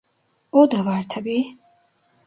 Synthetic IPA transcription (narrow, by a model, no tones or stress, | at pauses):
ɔd̪avaɾt̪ʰabi